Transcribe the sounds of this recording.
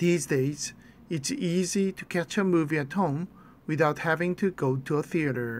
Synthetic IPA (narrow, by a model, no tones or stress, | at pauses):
ðizdeɪz | ɨtsiziɾʰɨkʰæt͡ʃəmuviɨt̚hõʊ̃m | wɨðaʊt̚hævɪ̃ŋtʰɨɡoʊtʰəəθiɨɾə˞